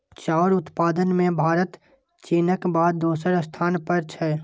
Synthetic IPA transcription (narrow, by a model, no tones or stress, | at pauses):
t͡ʃaːɾʊt̪paːd̪ənmẽbʱaːɾət̪ | t͡ʃeːnəkbaːd̪ːoːsəɾst̪ʰaːnpəɾt͡ʃʰɛ